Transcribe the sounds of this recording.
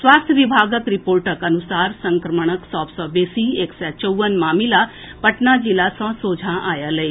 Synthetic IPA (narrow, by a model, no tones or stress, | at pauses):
sʋaːst̪ʰjəʋibʱaːɡək̪ɾipoːɾʈəkɐnusaːɾsə̃ŋkɾəməɳ̃əksɔːbsɔbesieːksɛt͡ʃəwʋənmaːmila | pəʈnad͡ʒilasɔ̃soːd͡ʒʱãʔaːjaləe